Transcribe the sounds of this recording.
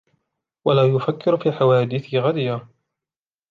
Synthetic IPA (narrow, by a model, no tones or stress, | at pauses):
walaːjʊfakːɪɾfiːħawaːd̪ɪθɪɣad̪ɪjaː